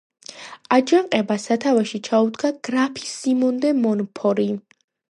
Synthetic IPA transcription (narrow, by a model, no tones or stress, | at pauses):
ad͡ʒaŋqʼɛbasat̪ʰavaʃit͡ʃʰaud̪ɡaɡ̥ɾapʰisimɔnd̪ɛmɔnɔpʰɔɾi